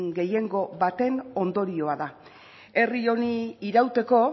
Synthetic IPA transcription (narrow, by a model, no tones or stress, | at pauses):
ŋɡe̞je̞ŋɡo̞βat̪e̞no̞nd̪o̞ɾio̞aða | e̞rio̞niiɾawt̪e̞ko̞